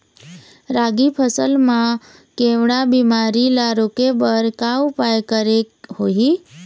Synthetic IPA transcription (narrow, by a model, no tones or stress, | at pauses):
ɾaɡipʰəsəlmã | keʋɽabimaɾilaɾokebəɾkaʊpajkəɾekɦoɦi